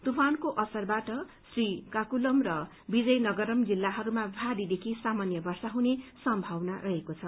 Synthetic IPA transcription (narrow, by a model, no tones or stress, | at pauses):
t̪upʰankoʔʌsʌrbaʈʌ | srikakulʌmrʌ | bid͡zʌjnʌɡʌɾʌmd͡zilːaɦʌɾumabʱaɾid̪ekʰisamanjʌbʌrsaɦunesʌmbʱawnarʔʌɦekot͡sʰʌ